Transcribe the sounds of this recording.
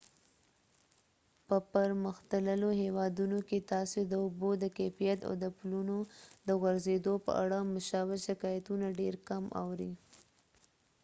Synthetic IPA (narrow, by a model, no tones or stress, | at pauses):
pəpəɾməxt̪ələloɦewɑd̪unoket̪ɑsod̪əʊbod̪əkefijat̪a̰wd̪əpulunod̪əɣaɾzed̪opə̰ʔa̰ɽamʊʃɑwɪʃɪkɑjat̪unaɖeɾkama̰wɾḭ